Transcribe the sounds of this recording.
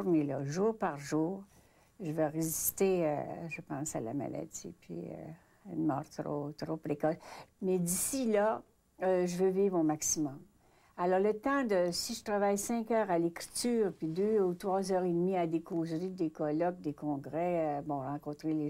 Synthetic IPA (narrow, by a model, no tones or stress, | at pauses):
ʁnelɔʒuːʁpaʁʒuːʁ | ʒəvøʁezist̪eø̰ʒəpɑ̃ːsala̰ma̰la̰d͡z̪ḭpʰɥḭø̰ | ɛnmɔ̰ːʁt̪ʁo̰t̪ʁopʁekɔsmɛd̪isila | øʒəvøviːvʁomaksimɔm | alɔʁlət̪ɑ̃d̪əsiʒət̪ʁavajsɛ̃kœːʁalekʁi̥t̪yːʁpɥid̪øut̪ʁwazœːʁed̪miad̪ekoːzʁid̪ekɔlɔk̚d̪ekɔ̃ɡʁɛøbɔ̃ʁɑ̃kɔ̃t̪ʁele